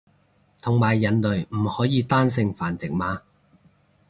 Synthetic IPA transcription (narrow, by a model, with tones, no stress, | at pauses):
t̪ʰʊ˨ŋmaː˨˩jːɐ˨˩nlɵ˨ɥm̩˨˩hɔː˨˥jiː˨˧t̪aː˥ns̬ɪ˧ŋfaː˨˩nt͡sɪ˨k̚maː˨˥